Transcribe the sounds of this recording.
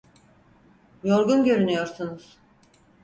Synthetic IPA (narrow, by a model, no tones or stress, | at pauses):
jo̞ɾɡunɟø̞ɾynyjo̞ɾsunuz̥